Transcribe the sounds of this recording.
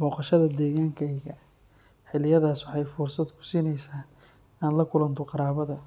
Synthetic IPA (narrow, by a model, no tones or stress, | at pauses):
mɔːqɑʃɐðɐd̪ɛːɣaːŋkʰɐjɣɐ | ħɪlɪjɐðaːswɑħɑjfʊrsɐd̪kʰʊ̥siːnɛjsaːn | aːnlɐkʰʊlɐnt̪ʰɔqɑɾaːβɐðɐ